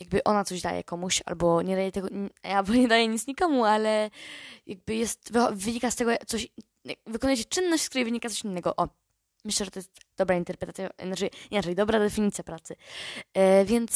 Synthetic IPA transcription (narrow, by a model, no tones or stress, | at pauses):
jaɡ̚bɘʔɔnat̪sɔʑd̪ajɛ̰kɔmuɕa̰lbɔɲɛd̪ajɛt̪ɛɡɔjalbɔɲɛd̪ajɛɲit̪sɲikɔmualɛjaɡ̚bɘjɛst̪vvɘɲikast̪ɛɡɔjakt̪sɔɕ | a̰vɨkɔnujɛt͡ɕɛ̥t͡ʂɘnːɔɕt͡ɕskt̪uɾɛjvɘɲikat̪sɔɕinːɛɡɔ̰ʔɔ | mɘɕlɛʐɛt̪ɔjɛst̪d̪ɔbɾaint̪ɛɾpɾɛt̪at̪sʲjanat͡ʂɛɲɛnat͡ʂɛlʲid̪ɔbɾad̪ɛfʲiɲit̪sjapɾat̪sɘ | vʲjɛnt̪s